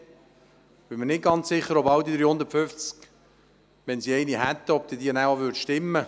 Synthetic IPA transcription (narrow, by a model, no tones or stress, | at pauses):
b̥ɪmənɪt̚ɡ̥ɑnt͡sssɪχːəɾɔbɑld̪id̪ɾihʊnd̪əɾtpfʏft͡sk | ʋɛnsiɛɪnihɛt̪ːəɔb̚d̥̪idiːənaəvʏɾtʃtɪmːə